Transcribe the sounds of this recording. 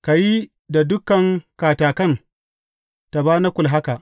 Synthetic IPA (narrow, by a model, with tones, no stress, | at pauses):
ka˨ji˦ | da˨dʊ˦kɐ˨ŋkaː˨taː˨kɐ˦˨n | ta˨baː˦na˦kʷʊ˨lɦa˦ka˨ʔ